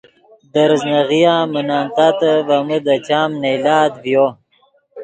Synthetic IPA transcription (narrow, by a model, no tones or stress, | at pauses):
d̪əɾznaɣijãːmənaːnt̪at̪əvaməd̪at͡ɕaːmnejlaːd̪vjo